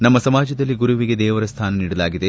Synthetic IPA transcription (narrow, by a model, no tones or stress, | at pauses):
nɐmːɐsɐmaːd͡ʒɐd̪ɐlːiɡuɾuʋiɡed̪ɛːʋɐɾɐst̪ʰaːnɐniːɽɐlaːɡid̪e̞